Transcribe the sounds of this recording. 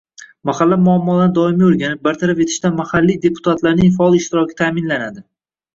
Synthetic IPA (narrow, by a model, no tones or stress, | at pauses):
mahalːamʊamːɒlanɪd̪ɒɪmioɾɡʲanɪp̚baɾt̪ʰaɾape̞t̪ʰɪ̥ʃt̪anmahalːijd̪e̞pʰʊ̥t̪ʰat̪laɾnɪŋfaɒlˠɪʃt̪ɪɾɒkʲʰɪ̥t̪ʰamɪnlanad̪ɪ